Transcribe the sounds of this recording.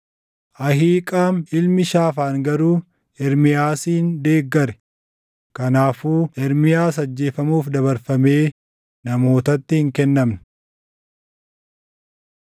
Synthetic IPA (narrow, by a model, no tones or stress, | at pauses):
ʔɐhiːkʼaːmɪlmɪʃaːfaːŋɡɐɾuː | ɛɾmɪjaːsiːnd̪e̞ːɡːɐɾɛ̥ | kɐnaːfuːɛɾmɪjaːs̬ɐd͡ʒːe̞ːfɐmuːfd̪ɐβɐɾfɐmeː | nɐmo̞ːt̪ɐt̪ːɪhɪŋkɛnːɐmnɐ̥